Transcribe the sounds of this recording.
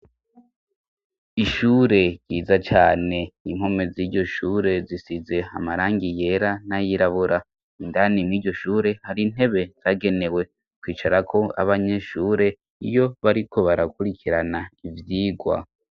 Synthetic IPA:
iʃuːɾe̞ɡɟiːzat͡ʃaːne̞iŋ̥ho̞meziːɟo̞ʃuːɾe̞zisize̞a̰maɾaːŋɡije̞ɾanajiɾaβuɾʔa | indanimiːɾɟo̞ʃuːɾe̞haɾin̥he̞βe̞z̥aɡe̞ne̞we̞ | kwiːt͡ʃaɾakʰo̞a̰βaɲe̞ʃuːɾe̞ | ḭjo̞βaɾikʰo̞βaɾakuɾikʰiɾanaivjiːɡwa̰

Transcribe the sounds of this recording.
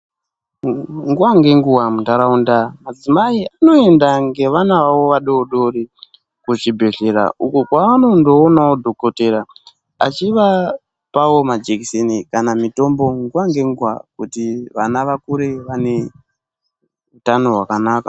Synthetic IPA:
ŋɡuwaŋɡe̞ŋɡuwamuntaɾaundamad͡zimaiano̞e̞ndaŋɡe̞ʋanaʋawoʋaɗoɗo̞ri | kut͡ʃibʱe̞ɮe̞ɾa̰ukukwaano̞ndo̞ːnawodʱo̞ko̞te̞ɾa | at͡ʃiʋa | pawo̞mad͡ʒekisenikanamito̞mbo̞ŋɡuwaŋɡe̞ŋɡuwa̰kutiʋa̰naʋakuɾe̞ʋane̞ | utano̞ɦwakanaːka

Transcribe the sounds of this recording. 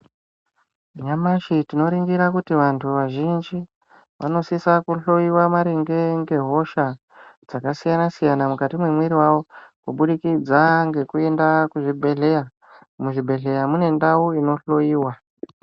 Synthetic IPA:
ɲamaʃitino̞ɾiŋɡiɾakutiʋantʰuʋaʒind͡ʒi | ʋʔa̰no̞sisakuɬo̞jiwamaɾiŋɡe̞ŋɡe̞ɦo̞ʃa | d͡zakasijanasijanamukatimwemwiɾiwawo̞kuɓuɗikid͡zaŋɡe̞kue̞ndakuʐibʱe̞ɮe̞ja | muʐibʱe̞ɬe̞jamune̞ndauino̞ɬo̞jiːwa

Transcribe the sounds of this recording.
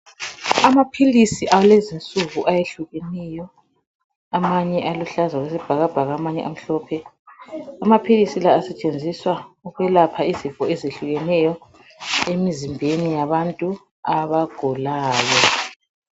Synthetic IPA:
amapʰilisiʔawlezint͡sʼuɣuʔajeɬuɣɛnɛjɔ | amaɲɛʔaluɬazwaɣesib̥ʱaɣab̥ʱaɣamaɲɛʔam̩ɬɔːpʰɛ | amapʰilisilaːsɛt͡ʃʼend͡zʱiswauɣwɛlapʰaizifɔezeɬuɣɛnɛjɔ | emizimbʱenijaβantʼu | aβaɡ̥ʱɔlaːjɔ

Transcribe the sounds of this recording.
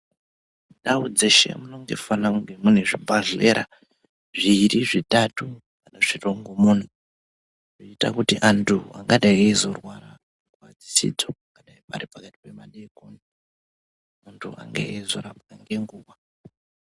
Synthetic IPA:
daud͡zeʃe̞̰muno̞ŋɡe̞̰fanauŋɡemun̤eʐibʱaɮe̞ːɾa̰ | ʐiɾiʐitatu | kanaʐ̥iroŋɡomuːn̤u | ʐot͡ʃita̰kutiʔantʰua̰ŋɡaɗaiezorwaɾa | kwad͡zi̥sḭd͡zoaŋɡaɗaipaɾipakati̥pe̞maɗekonde | muntʰua̰ŋɡḛezoɾapaaŋɡeŋɡuːwa

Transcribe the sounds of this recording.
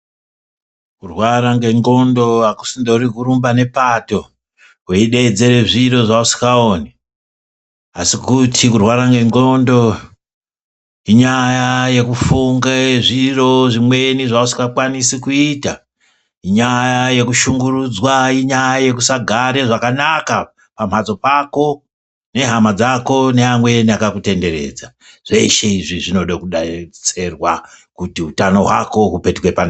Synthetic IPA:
kurwaɾaŋɡe̞ŋɡo̞ndo̞aku̥sindouɾikurumbane̞pato̞ | keiɗe̞d͡ze̞ɾe̞ʐiɾo̞ʐausi̥kao̞ːne | asikutʰikurwaɾaŋɡe̞ŋɡo̞ndo̞ | iɲajaje̞kufuŋɡeʐiro̞ʐimwe̞niʐausi̥kakwanisikuita | iɲajaje̞kuʃuŋɡurud͡zwaiɲajaje̞k̬usaɡʱaɾe̞ʐakanaka | pam̤ad͡zo̞pako̞ | ne̞ɦamad͡zako̞ne̞amwe̞niakakute̞nde̞ɾe̞̰d͡za | ʐ̥e̞ʃe̞iʐiʐino̞ɗakuɗat͡se̞rwakutiutano̞ɦwa̰ko̞ɦupe̞tukwepan

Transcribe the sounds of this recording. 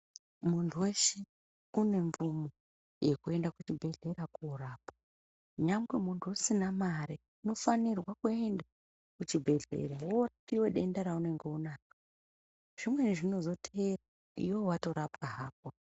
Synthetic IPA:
muntʰuwe̞ʃe | une̞ɱvumo | je̞kue̞ndakut͡ʃibʱe̞ɮe̞ɾakuɾaːpḁ | ɲamɡwemuntʰuusinamaɾe | ino̞fanirwakue̞nda | kut͡ʃibʱe̞ɮḛɾaworapiwe̞ɗe̞ndaɾaune̞ŋɡeunaːkḁ | ʐ̥imwe̞niʐino̞zo̞teera | ḭwo̞wato̞ɾapkaɦaːp̚o

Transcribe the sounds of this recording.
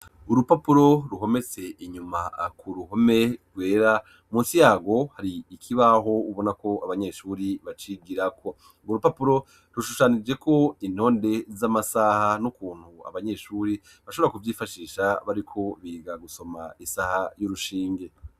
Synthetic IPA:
uɾupapuɾo̞ɾuɦo̞me̞t͡se̞ʔiɲumakʰuɾuho̞me̞ɾɡwe̞ːɾa | muːnsijaːɡo̞haɾiːkʰiβaɦo̞uβo̞nako̞aβaɲe̞ʃuːɾiβat͡ʃiɡiɾakʰo̞ | ŋɡoɾupapuɾo̞ | ɾuʃuʃanid͡ʒe̞ko̞in̥ho̞ːnde̞zamasahanukuːn̥hua̰βaɲe̞ʃuːɾi | βaʃo̞βɾakuvjiːfaʃiːʃaβaɾikʰo̞βiːɡaɡuso̞maisahajuɾuʃiːŋɡe̞

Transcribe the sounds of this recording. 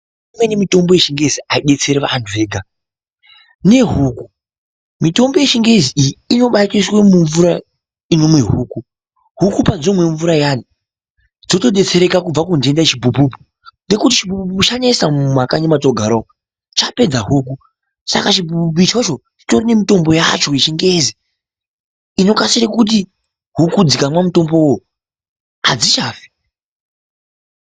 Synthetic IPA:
imwenemito̞mbo̞je̞ʃiŋɡe̞ziaiɗe̞t͡se̞ɾeʋa̰ːntʰuʋe̞ːɡʱa | ne̞ɦuːku | mito̞mboje̞ʃiŋɡe̞ziijiino̞ɓakiswemuɱvuɾa | ino̞mwe̞ɦuːku | ɦukupad͡zomwe̞ɱvuɾajani | d͡zo̞to̞ɗe̞t͡se̞ɾe̞kakub͡vakunde̞ndat͡ʃibʱubupu̥ | nde̞kutit͡ʃibupupuput͡ʃaɲaisamumakaɲemat͡so̞ɡʱaɾo | t͡ʃape̞d͡zaɦuːku | sa̰kat͡ʃibupup̬uit͡ʃo̞t͡ʃo̞ | t͡ʃi̥to̞rine̞mito̞mbo̞ja̰t͡ʃo̞it͡ʃiŋɡezi | ino̞kasiɾekut̬i | ɦukud͡zikamwamuto̞mbo̞wo | ad͡zit͡ʃaːfe̥

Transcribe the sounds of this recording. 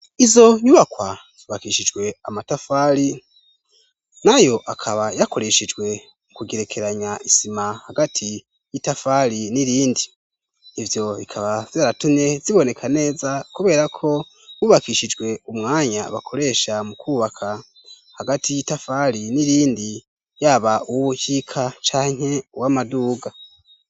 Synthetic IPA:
izo̞ɲuβakwa | z̥uβakiʃid͡ʒɡwe̞amatafaːɾi | najo̞ʔakʰaβajako̞ɾe̞ʃid͡ʒɡwe̞ | mukuɡeɾe̞kʰe̞ɾaɲaʔisimahaɡatʰi | jitafaɾiniɾiːndiː | vjo̞ikʰaβav̥jaːɾatumɲe̞ziβo̞ne̞kʰane̞ːzakuβe̞ːɾakʰo̞ | wuːβakiːʃid͡ʒɡwe̞umŋaːɲaβa̰kʰo̞ɾe̞ʃamukʰuːβakʰa | haɡatʰijitafaɾiniɾiːndi | jaβauwuhikʰat͡ʃaːɲ̥he̞uwamaduːɡa

